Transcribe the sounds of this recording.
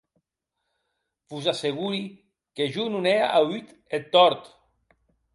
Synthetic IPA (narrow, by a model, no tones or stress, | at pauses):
b̥uzaseɣuɾi | keʒununeaʔawyt̪ | et̪ːɔɾt̪